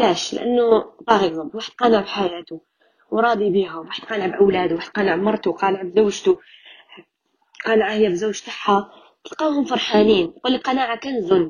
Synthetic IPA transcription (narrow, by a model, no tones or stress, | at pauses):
læːʃlɪ̰ʔa̰nːʊt̪ˤɑɣiɡzʊmwaːħəd̪̥̚qɑːnaʕbħajaːt̪u | wɾˤɑːd̪ˤibiːɦʊmwaːħəd̪̥̚qɑːnaʕbʔawlæːd̪waːħəd̪̥̚qɑːnaʕbmɑɾˤt̪uqɑːnʕabzawːʒt̪u | qɑːnʕahɪjːæbzawːʒt̪ɑħːa | t̪əlqɑːhʊmfɑɾˤħaːniːnquːlːilqɑnaːʕakæːnzʊnː